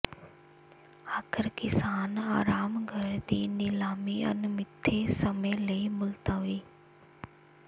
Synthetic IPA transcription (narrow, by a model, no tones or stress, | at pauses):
aːkʰəɾkɪsaːnaːɾaːmɡʱəɾd̪iːnɪlaːmiə̰nmɪt̪ʰːesəmeləimʊlt̪aʋiː